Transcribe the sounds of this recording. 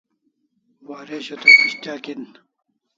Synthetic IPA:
waːɾeɕot̪okiɕt̪aːkin

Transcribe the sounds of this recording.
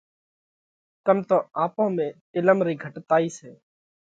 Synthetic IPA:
kəmt̪oːʔaːpõːmẽːʈɪləmɾiːɡʱəʈt̪aːiːseː

